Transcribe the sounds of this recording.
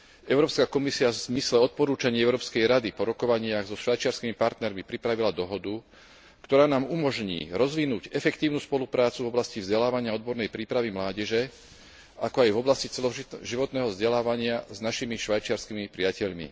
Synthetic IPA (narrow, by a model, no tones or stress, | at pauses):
ɛʊɾɔːpskakɔmisiavz̥mislɛɔt̪̚pɔɾuːt͡ʃaɲɪɛʊɾɔːpskɛjɾad̪ipɔɾɔkɔʋaɲɪaɣzɔʃʋajt͡ʃɪaɾskimipaɾt̪nɛɾmipɾipɾaʋilad̪ɔɦɔd̪u | kt̪ɔɾaːnaːmumɔʒɲḭːɾɔzʋinuːɟɛfɛkt̪iːʊnuːspɔlupɾaːt͡suvɔblascivzɟɛlaːʋaɲɪaɔd̪̚bɔɾnɛjpɾiːpɾaʋimlaːɟɛʒɛ | akɔajvɔblascit͡sɛlɔʒiʋɔt̪nɛːɦɔvzɟɛlaːʋaɲɪaznaʃimiʃʋajt͡ʃɪaɾskimipɾɪacɛʎmḭ